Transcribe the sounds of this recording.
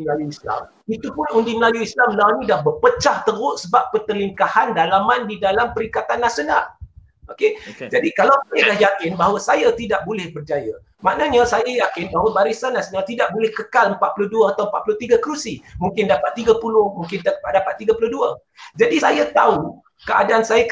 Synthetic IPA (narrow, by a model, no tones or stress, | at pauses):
lajuisla̰m | it̪upʊnundiməlajuislamlanĩdahbərpət͡ʃaht̪əɾʊʔsəbap̚ːət̪əliŋkahandalamãndidalampəɾikat̪anːasjona̰l | oked͡ʒadikalawsajalahjakɪnbaɦawasajat̪idaʔ̚bolɪhbərt͡ʃaja | maʔnəɲãsajajakɪnbaɦawabaɾisanːasonalt̪idaʔ̚bolɪhkəkaləmpat̪̚pulʊhduəat̪awəmpat̪̚pulʊht̪iɡakəɾusimũŋkɪndapat̪ːiɡapulʊhmuŋkɪnt̪dapat̪ːiɡapulʊhduə | d͡ʒadisajat̪au | kəa̰daansaja